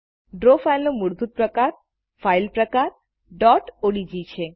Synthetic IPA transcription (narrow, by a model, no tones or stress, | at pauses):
ɖɾofailnomuɽd̪ʱut̪̚pɾəkaɾ | failpɾəkaɾ | ɖɔʈoɽid͡ʒit͡ʃʰe